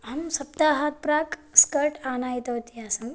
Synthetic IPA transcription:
ɦɐmsɐp̚t̪aɦat̪̚pɾaːkskəɾʈaːnajit̪ɐwt̪iasɐm

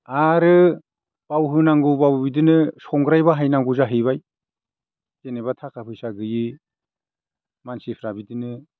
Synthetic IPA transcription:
aɾɯ | b̥awɦɯnaŋɡubawbidɯnɯsɔŋɡɾajbaɦajnaŋɡuzaɦɯjβaj | tenebatʰakʰapʰɯjsaɡɯji | mansipʰɾabidɯnɯ

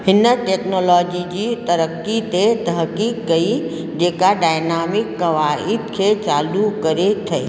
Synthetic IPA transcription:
hɪnəʈeːknoːlɔːd͡ʒid͡ʒit̪ɐɾəkːit̪et̪ɐɦkikːɐi | d͡ʒeːkaɖaːɪnaːmɪkːɐʋaːɪd̪̚kʰet͡ʃaːlukɐɾet̪ʰɐ

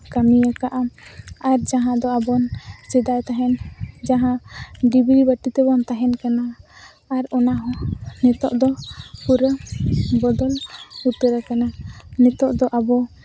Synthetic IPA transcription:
kamijakaʔamaɾd͡ʒaɦãd̪ɔabɔnt͡ʃɛd̪ajt̪aɦɛnd͡ʒaɦãɖibɾibəʈit̪ɛbɔnt̪aɦɛnkanaː | ɾɔnaɦɔnɛt̪ɔʔd̪ɔpuɾəbɔd̪ɔlut̪əɾakananɛt̪ɔʔd̪ɔʔabɔ

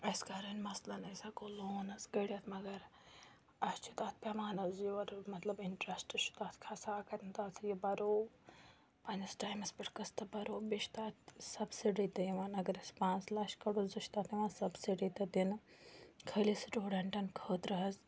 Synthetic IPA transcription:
ɐskaːɾɐnmɐslɐnɐjsɐkoːloːnɐsɡɐɽijɐt̪ʰmɐɡɐɾ | ɐst͡ʃʰut̪aːt̪̚ʰpemaːnɐzjiʋɐɾmɐt̪lɐbiɳʈɾɐsʈɨʃʰu̥t̪aːt̪ʰkʰasaːkɐt̪nt̪aːt̪ʰjibɐɾoː | pɐ̃ːnɐsʈaːjmɐspiʈkɐst̪ɐbɐɾoːbiʃt̪aːt̪sɐbsiɖit̪ɐiʋaːnɐɡɐɾɐspãːnslɐʃkɐɽozuʃt̪aːt̪ʰiʋaːnsɐbsiɖit̪ɐd̪in | kʰɐlisʈoːɽɐɳʈɐnkʰəːt̪ɾɐɦɐz

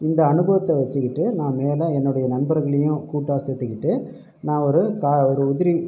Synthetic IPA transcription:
ɪnd̪ɐɐnɯbɐʋɐt̪ːɛʋɐt͡ʃːɯkːɪʈːɯnãːmeːlɐ̃ɛnːɯɽɐjɐnɐnbɐɾɣɐɭɐjʊ̃kuːʈːaːset̪ːɯkːɪʈːɯ | nãːɔɾɯkaːɔɾɯʊðɪɾi

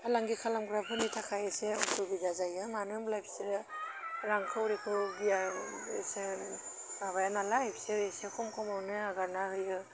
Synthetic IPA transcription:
alaŋɡikʰalamɡɾapʰɯnitʰakʰajeseɔtʰubidazajɯmanɯmlajpʰi̥seɾɯɾaŋkʰɯwɾikʰɯɡija | ese | aβajanalapʰi̥seɾesekʰɔmkʰɔmɔwnɯaɡaɾnahɯjɯ

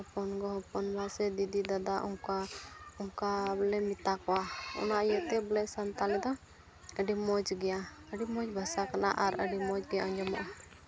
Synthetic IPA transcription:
ɔpɔnɡɔɦɔpɔnbasɛd̪id̪id̪ad̪aʔuŋkauŋkalɛmit̪akɔwaɔ̰naʔjɛt̪ɛblɛsənt̪alɛd̪ɔ | əɖimɔd͡ʒɡɛja | əɖimɔd͡ʒbʱasakana̰ʔaɾəɖimɔd͡ʒɡɛjaʔɔɲd͡ʒɔma̰ʔa

